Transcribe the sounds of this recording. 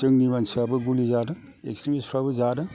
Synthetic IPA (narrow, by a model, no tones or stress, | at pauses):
sɯŋnibansɯabɯɡulizadɯ | ḛkstɾimispʰɾabɯzadɯ